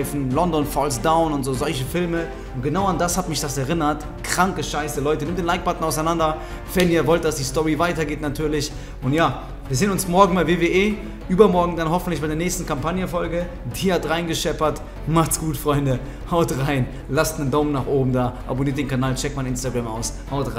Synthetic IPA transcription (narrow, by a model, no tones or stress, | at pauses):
ɪfn̩lɔndɔnfɔlsd̥aʊnʊntzoːzɔlçəfɪlmə | ʊnt̚ɡ̥ənaʊandashatmɪçd̥asɛɐʁɪnɐt | kʁ̥aŋkəʃaɪsəlɔʏtənɪmtd̥eːnlaɪk̚b̥atn̩aʊsaɪnandɐ | v̥ɛniːɐvɔlt̚d̥asd̥iːstɔʁivaɪtɐɡeːtnatʰyːɐlɪç | ʔʊntjaː | viːɐzeːnʊnsmɔɐɡŋ̩baɪveːveːʔeː | ʔyːbɐmɔɐɡŋ̩danɦɔfn̩tlɪçbaɪdeːɐnɛːçstn̩kʰampʰanjəfɔlɡə | d̥iːɐtʁaɪnɡəʃɛpɐt | maχtsɡ̥uːtfʁ̥ɔʏndə | haʊtʁaɪn | lastnəndaʊmənaːχʔoːbm̩daːʔa̰boniːɐtd̥eːnkʰanaːlt͡ʃɛk̚maɪnʔɪnstaɡʁama̰ʊshaʊtʁa